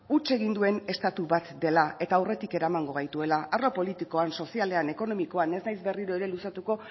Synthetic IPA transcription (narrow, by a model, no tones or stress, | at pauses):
ut͡ʃe̞ɣ̞ind̪ue̞ne̞st̪at̪uβat̪d̪e̞lae̞t̪aːwre̞t̪ike̞ɾamaŋɡo̞ɣ̞ajt̪ue̞laʔarlo̞po̞lit̪iko̞anso̞siale̞ane̞ko̞no̞miko̞ane̞sznajzbe̞riɾo̞e̞ɾe̞lusat̪uko̞